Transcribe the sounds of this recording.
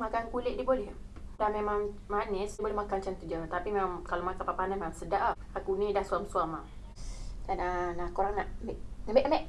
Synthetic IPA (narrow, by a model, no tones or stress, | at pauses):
makankulɪʔdibolɛ | dahmemaŋmanɪsdibolɛhmakant͡ʃant̪ud͡ʒəmt̪apimemaŋkalomakanpapanamemamsədaʔa | akunidahsuamsuama | dananakoɾaŋnaʔmbɛʔamɛʔəmɛʔ